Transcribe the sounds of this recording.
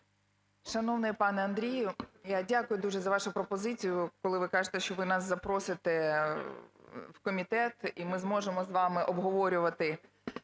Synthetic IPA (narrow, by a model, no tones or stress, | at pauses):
ʃɐnɔʋnɪjpɑnɛɐnd̪ɾʲijʊjadʲakʊjʊd̪uʒɛzɐʋɑʃʊpɾɔpɔzɪt͡sʲijʊkɔlˠɪʋɪkɑʒet̪ɛʃt͡ʃɔʋɪnɑsːɐpɾɔsɪt̪ɛ | wkɔmʲit̪ɛt̪imɪzmɔʒemɔzʋɑmɪʔɔbɦɔʋɔɾʲʊʋɐt̪ɪ